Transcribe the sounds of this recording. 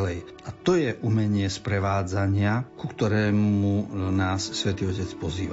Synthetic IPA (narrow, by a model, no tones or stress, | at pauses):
lɛj | at̪ɔjɛʔumɛɲɪɛspɾɛʋaːd͡zaɲɪakukt̪ɔɾɛːmmunaːsːʋɛt̪iːɔcɛt͡spɔziːʋa